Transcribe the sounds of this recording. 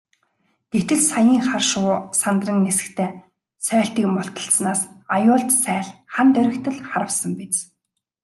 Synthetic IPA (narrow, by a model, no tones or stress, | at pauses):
ɡ̪̥et̪ɘ̆ɮsajiːŋχarʃʊːsant̪rə̆nːesɘ̆kt̪ʰeː | sœːɬt̪iːkmʊɬt̪ə̆ɬsnaːsajʊːɮt̪sæːɮχant̪œɾʲɪ̆kt̪ʰɘ̆ɮχaɾə̆wsə̆mpit͡s